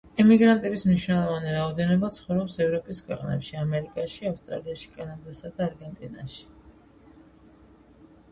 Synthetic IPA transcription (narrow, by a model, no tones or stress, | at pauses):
ɛmiɡɾant̪ʼɛbismniʃnɛlˠɔvaniɾaɔd̪ɛnɔbat̪sʰχɔvɾɔpsɛvɾɔpʼiskʰwɛqʼnɛ̰pʃiamɛɾikʼaʃiafst̪ʼɾa̰liaʃi̥kʼanad̪asad̪aːɾɡɛnt̪ʼina̰ʃi̥